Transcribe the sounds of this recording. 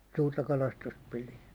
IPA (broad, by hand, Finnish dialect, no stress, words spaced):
suːrtɑ kɑlɑstust pilin̞